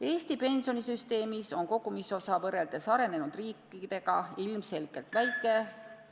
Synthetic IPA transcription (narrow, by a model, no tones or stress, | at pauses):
e̞ːst̪ipe̞nsio̞nisyst̪e̞ːmiso̞nko̞ɡ̥umiso̞sɑvɤre̞ld̪̥e̞sɑɾe̞ne̞nud̪̥riːkːˑid̪̥e̞ɡ̥ɑilmse̞lɡe̞lt̪væjkːˑe̞